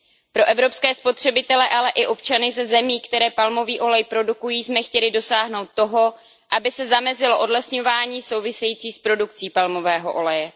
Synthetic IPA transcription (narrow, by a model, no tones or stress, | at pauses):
pɾo̞ʔɛvɾo̞pskɛːspo̞t̪r̝̥ɛbɪt̪ɛlɛʔalɛʔɪʔo̞pt͡ʃanɪzɛzɛmiːkt̪ɛɾɛːpalmo̞viːʔo̞lɛjpɾo̞dukujiːsmɛxcɛlɪdo̞saːɦno̞wt̪̚ːo̞ɦo̞ | ʔabɪsɛzamɛzɪlo̞ʔo̞dlɛsɲo̞vaːɲiːso̞wvɪsɛjiːt͡siːspɾo̞duk̚t͡siːpalmo̞vɛːɦo̞̰ʔo̞lɛjɛ